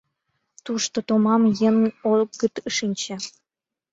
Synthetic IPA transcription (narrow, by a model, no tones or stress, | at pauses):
t̪uʃt̪ot̪omɑmjənolɡət̪əʃinʲt͡ɕĕ